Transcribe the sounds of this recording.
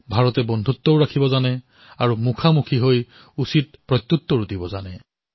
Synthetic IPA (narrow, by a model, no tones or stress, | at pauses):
bʱaɹɔtɛbɔnd̪ʱutːɔʊɹakʰibɔzanɛ | aɹumukʰamukʰiɦoj | usit̚pɹɔjt̪ːutːɔɹudibɔzanɛ